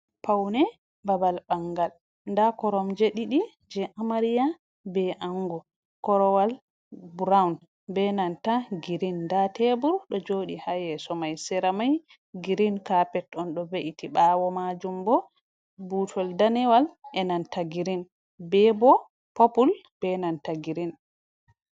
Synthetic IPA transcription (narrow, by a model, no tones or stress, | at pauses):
pawnɛ | babalbaŋɡal | ndakɔɾɔmd͡ʒeɗiɗi | d͡ʒɛʔamaɾija | bɛʔaŋɡɔ | kɔɾɔwal | buɾawn | bɛnantaɡiɾindatebuɾɗɔd͡ʒoɗihajɛsɔmajsɛɾamaj | ɡiɾinkapɛtɔnɗɔbeʔitiɓaːwɔmad͡ʒumbɔ | butʰɔldanɛwalʔɛnantaɡiɾin | bɛbɔ | popul | b̥ɛnantaɡiɾin